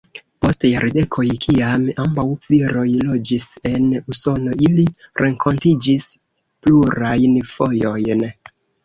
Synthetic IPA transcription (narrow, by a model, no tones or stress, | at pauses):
po̞stjaɾde̞kʰo̞jkʰiamambawv̥iɾo̞jlo̞d͡ʒise̞nuso̞no̞iliɾʔe̞ŋkʰo̞ntid͡ʒis | pluɾajnfo̞jo̞jn